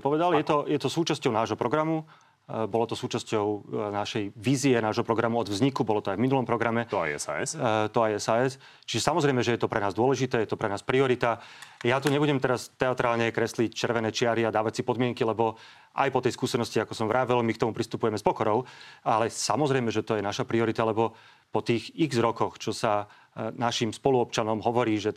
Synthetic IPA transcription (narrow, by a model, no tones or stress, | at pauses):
pɔʋɛd̪aljɛt̪ɔjɛt̪ɔsuːt͡ʃascɔʊnaːʒɦɔpɾɔɡɾamu | bɔlɔt̪ɔsuːt͡ʃascɔʊnaʃɛjʋiːziɛnaːʒɦɔpɾɔɡɾamuɔd̪vzɲikubɔlɔt̪ɔajvminulɔmpɾɔɡɾamɛ̰ɛ̰sa̰ɛst̪ɔajɛsaːɛs | t͡ʃiʒɛsamɔzɾɛjmɛʒɛjɛt̪ɔpɾɛnaːzd̪ʊɔlɛʒit̪ɛːjɛt̪ɔpɾɛnaːspɾiɔɾit̪ajat̪uɲɛbuɟɛmt̪ɛɾast̪ɛat̪ɾaːlɲɛkɾɛslict͡ʃɛɾʋɛnɛːt͡ʃɪaɾiad̪aːʋacsipɔd̪mɪɛŋkilɛbɔ | ʔa̰jpɔt̪ɛjskuːsɛnɔsciakɔsɔmʋɾʔaːʋɛlmikt̪ɔmupɾist̪upujɛmɛspɔkɔɾɔʊalɛsamɔzɾɛjmɛʒɛt̪ɔjɛnaʃapɾiɔɾit̪alɛbɔ | pɔt̪iːɣiɣzɾɔkɔxt͡ʃɔsa | naʃimspɔluɔp̚t͡ʃanɔmɦɔʋɔɾiːʒɛ